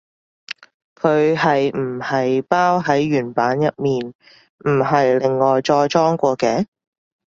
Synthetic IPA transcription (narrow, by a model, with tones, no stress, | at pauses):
kʰɵ˨˧ɥhɐ˨jm̩˨˩hɐ˨jpaː˥wɦɐ˨˥jɥyː˨˩npaː˨˥njɐ˨t̚miː˨n | m̩˨˩ɦɐ˨jlɪ˨ŋːɔː˨jt͡ʃɔː˧jt͡sɔː˥ŋkʷɔː˧kɛː˧˥